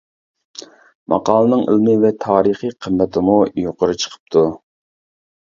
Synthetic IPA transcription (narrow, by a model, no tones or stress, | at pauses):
mʔɑ̰qɑːlˠɨnɨŋə̰lmɨvɛt̪ʰɑːɾəχəqʰəmːɛt̪ʰɪmujoqʊɾɨt͡ʃʰə̥qʰə̥p̚t̪ʰu